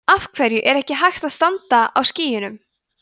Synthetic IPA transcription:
afkʰvɛɾjʏʔɛɾɛhcɪɦajxt̪aðst̪ant̪aa̰wsciːjʏnʏm

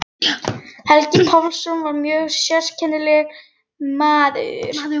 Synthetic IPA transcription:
hɛlcɪpʰawlsʏnvaɾmjœːɣsjɛ̥scʰɛnːɪlɛɣ | maːðɪ̰ɾ̥

